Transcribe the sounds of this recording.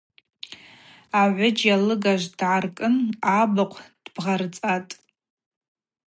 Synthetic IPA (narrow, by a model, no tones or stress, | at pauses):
aʕʷʊd͡ʒjalɨɡaʒʷd̥ʕarkʼɨnabaqʷʰd̥bʁart͡sʼatʼ